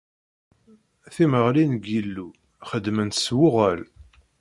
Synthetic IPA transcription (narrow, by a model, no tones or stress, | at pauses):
θiməʁlinɡilːu | χəd̪mənt̪swʊʁæl